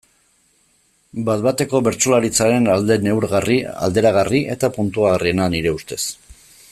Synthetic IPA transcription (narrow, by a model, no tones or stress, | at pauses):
bat̪bat̪e̞ko̞βe̞ɾt͡ʃolaɾit͡saɾe̞nald̪e̞ne̞wɾɣaria̰ld̪e̞ɾaɣ̞ariʔe̞t̪apunt̪uaɣarie̞naniɾe̞ust̪e̞s